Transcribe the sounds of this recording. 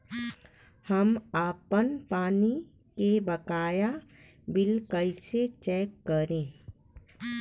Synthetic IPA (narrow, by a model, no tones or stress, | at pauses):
həmaːpənpaːni | kebɐkaːja | bɪlkəɪset͡ʃɛːkːəɾẽː